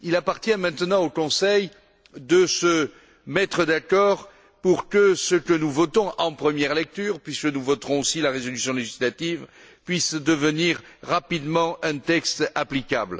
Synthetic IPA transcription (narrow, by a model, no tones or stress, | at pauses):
ilapaʁt̪jɛ̃mɛ̃t̪ənɑ̃okɔ̃sɛj | d̪əsə | mɛt̪χəd̪akɔʁ | puʁkəsəkənuvɔt̪ɔ̃ʔɑ̃pχəmjɛʁlɛk̚t̪yʁpɥiskənuvɔt̪ʁɔ̃osilaʁezɔlysjɔ̃leʒislat̪iv | pɥisd̪əvəniʁːapid̪mɑ̃ɛ̃t̪ɛkst̪aplikabl